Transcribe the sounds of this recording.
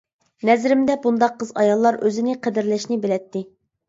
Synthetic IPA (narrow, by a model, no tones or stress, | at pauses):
nɛzɾɪmd̪ɛbund̪ɑqʰːəzɑjɑlˠːɑɾʔøzɪnɪqʰɛd̪ɪɾlɪʃnɪbɪlɛt̪ːɪ